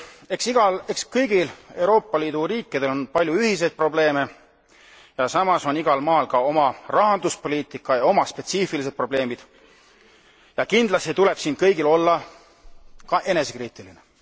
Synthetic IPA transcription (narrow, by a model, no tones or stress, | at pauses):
e̞ksiɡ̥ɑle̞kskɤjɡ̥ile̞wɾo̞ːpːˑɑliːd̪uɾiːkːˑid̪̥e̞lo̞npɑlʲjuyhise̞jd̪̚pro̞ble̞ːme̞ | jɑsɑmɑso̞niɡ̥ɑlmɑːlkɑo̞mɑrɑɦɑnd̪uspo̞lʲiːt̪ˑikːˑɑjɑo̞mɑspe̞t̪siːfilise̞d̪̥̚pro̞b̥le̞ːmid̪̥ | jɑkind̪lɑst̪it̪ule̞b̥siːnkɤjɡilo̞lːɑ | kɑʔe̞ne̞se̞kriːt̪ːˑiline